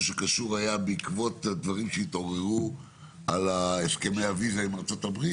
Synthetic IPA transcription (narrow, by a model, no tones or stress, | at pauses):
ʃekaʃuʁajabeikvo̞tdvaʁimʃeit̪o̞ʁeʁu | ʔalaeske̞mejavizaimaʁt͡so̞tabʁi